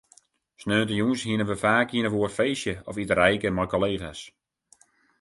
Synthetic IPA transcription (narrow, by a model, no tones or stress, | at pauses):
snøːntəjunsɦiənəʋəfaːkhiənəʋuərfeːsjəɔfitərɛjkəmɔjkoleːχa̰s